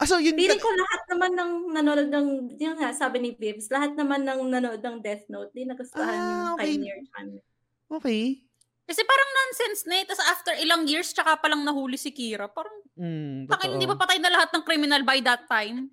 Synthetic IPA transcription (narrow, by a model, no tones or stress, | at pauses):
ʔsojʊbiːlɪŋkolɐhat̪̚nɐmanːɐŋnɐnoloɡ̪̚nɐŋjʊŋhnasaːbɪnɪbɪvslɐɦat̪̚nɐmanːɐŋnɐnoʔod̪̚nɐŋd̪ɛθnowt̪̚d̪ɪnɐkɐsɐlaɐjokɐniɹt͡ʃɐ̰n | ʔoːkɛj | kɐsɛpaːɾɐŋnansɛnsnɛt̪ɐsʔaft̪ɛɹʔɪlaŋjiɹst͡ʃɐkapɐlɐŋnɐɦuːlɪsɪkiːɾɐpaɾɐŋ̩t̪ɐkɐjɪnd̪ibɐpɐt̪ajnɐlɐhat̪̚nɐŋkɾimɪnɐlbajd̪ɐt̪ːajm